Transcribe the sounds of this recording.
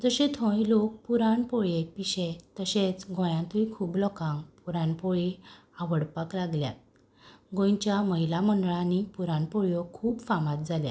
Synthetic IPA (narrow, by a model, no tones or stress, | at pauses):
d͡zəɕẽt̪ʰɔ̃ilok̚puɾaɳpɔɭepiɕet̪əɕẽt͡sɡʱɔ̃jãt̪uikʰuːblɔkãŋɡpuɾãɳpɔɭe | aʋəɽpaklaɡlja̰t̪̚ | ɡõjt͡ɕjaməɦilaməɳɖɭanipuɾãɳpɔɭjɔkʰuːbfamat̪̚d͡zalja̰